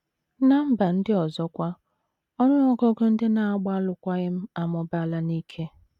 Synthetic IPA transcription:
na˦m̩˦ba˨n̩˦dɪ˦ɔ˨zɔ˦kʷa˦ | ɔ˦nʊ˦nɔ˦ɡo˦ɡo˦n̩˦dɪ˦na˨a˦ɡ͡ba˦lʊ˨kʷa˦ɣɪ˦m̩˦a˨mɔ˨ba˦la˦ni˦kʰe˦

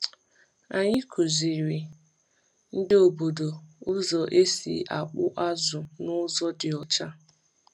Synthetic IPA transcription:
a˨ɲɪ˦kʰu˨zi˨ɾi˨ | n̩˦dɪ˦o˨bo˨do˨ʊ˦zɔ˨ʔe˦sḭ˨ʔa˨k͡pʊ˦ʔa˦zʊ˨nʊ˦zɔ˦dɪ˨ɔ˨t͡ʃa˦

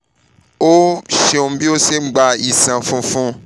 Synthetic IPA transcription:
o˦ʃe˧o˧m̩˦bi˦o˦se˦˨ŋ͡m̩˦ɡ͡ba˧i˨sã˨fũ˦fũ˦

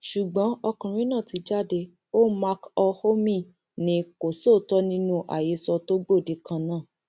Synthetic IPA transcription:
ʃu˨ɡ͡bɔ̃˨˦ɔ˧kã˨ɾ̃ĩ˦nãː˦˨ti˨˧˦d͡ʒa˦˨de˧ | o˦ma˧kɔ˧ho˦mĩ˦˨ | nĩ˨˧ko˨so˦˨tɔ˧˦nĩ˧˦nũ˧ʔa̰˨je˨˧˦sɔ˧to˦ɡ͡bo˦˨de˨˦kã˧nãː˦˨

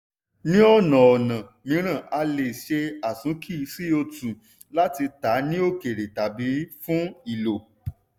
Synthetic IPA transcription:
nĩ˦ɔ˦˨nã˨ɔ˨nã˨ | mĩ˨˦ɾ̃ã˦˨ʔa˧le˨ʃe˧a˨sũ˨˦kʰi˦˧˦si˦o˧tũ˨ | la˦ti˧ta˨˦nĩ˦o˦ke˨ɾe˨ta˨bi˨˦fũ˦i˦˨lo˨

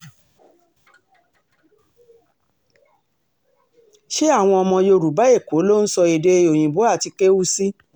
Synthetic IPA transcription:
ʃe˦a˦˨w̃ɔ̃˧ɔ˧mɔ̃˧jo˧ɾu˨ba˨˦e˦˨ko˨˦lo˦n̩˦sɔ˧e˨de˧o˨j̃ĩ˨bo˨˦a˦˨ti˧ke˦wu˦si˦

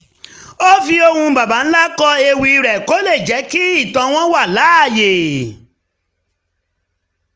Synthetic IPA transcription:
o˦fi˧o˧hũ˧ba˨ba˨˦n̩˦la˦kɔ˧e˧wi˧i˧ɾɛ˨ko˨˦le˦˨d͡ʒɛ˨˦ki˦i˦˨tɔ̃˨˧w̃ɔ̃˦wa˦˨la˨˦a˦˨je˨

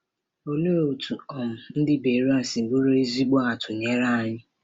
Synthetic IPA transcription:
o˨lu˦o˨tu˨ɔ˨m̩˨n̩˦dɪ˦be˨ɾu˦a˦sɪ˨ɡ͡bu˦ɾo˦i˦zi˦ɡ͡bɔ˦a˨tʊ˨ɲe˦ɾa˦a˦ɲɪ˦

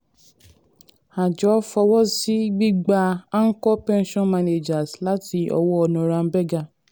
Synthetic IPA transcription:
a˨d͡ʒɔ˨˦fɔ˧wɔ˦si˦ɡ͡bi˦ɡ͡ba˧a˦ŋ̩˦kɔ˦pɛ̃˦n˦ʃɔ̃˦nma˦ne˨d͡ʒa˨sla˦ti˧ɔ̰˧wɔ˦ɔ˧nɔ̃˧˨ɾã˧n̩˦bɛ˦ɡa˦˧˨

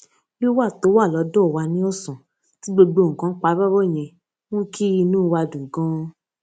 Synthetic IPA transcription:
jo˦wa˦˨to˨˦wa˦˨lɔ˨˦dɔ˦˨wa˧˦nĩ˦ɔ˦˨sɔ̃˨ | ti˨˦ɡ͡bo˧ɡ͡bo˧˨ŋ̩˨kã˨˦k͡pa˨˦ba˦bɔ˦˨j̃ɛ̃˧ | w̃ɔ̃˦ki˦i˧nũː˦˧wa˧dũ˨ɡɔ̃˦

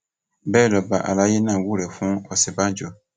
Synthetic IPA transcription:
bɛː˦˨lɔ˨ba˨ʔa̰˨la˨˦je˦nã˨wu˦ɾɛ˨fũ˦ɔ˨sɛ˨bã˦d͡ʒɔ˨

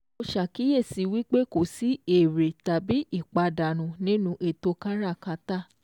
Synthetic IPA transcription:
o˧ʃa˨ki˨˦je˦˨si˨˦wi˦k͡pe˦ko˨si˦e˦˨ɾe˨ta˨bi˦ʔi˦˨k͡pa˧da˨ñũ˨˦nĩ˦nũ˧˦ʔe˨to˧˦ka˦ɾa˦˨ka˨˧ta˦˨

